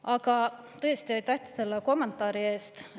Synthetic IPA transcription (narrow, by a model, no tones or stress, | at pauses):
ɑkɑ | t̪ɤst̪io̞jt̪æht̪i̥sse̞lːeko̞mːe̞nt̪ːˑɑːɾie̞ːst̪